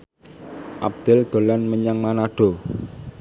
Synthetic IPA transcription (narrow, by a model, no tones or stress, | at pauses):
ʔa̰b̚d̪̥ɛld̪̥o̤lanməɲaŋmanaɖ̥o̤